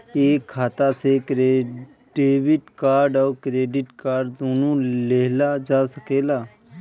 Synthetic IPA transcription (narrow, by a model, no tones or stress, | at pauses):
eːkʰːaːt̪aːsekɾe | ɖeːʋɪʈkaːɾɖɔːkɾeːɖɪʈkaːɾɖd̪oːnõːleːɦlad͡ʒaːsəkeːlaː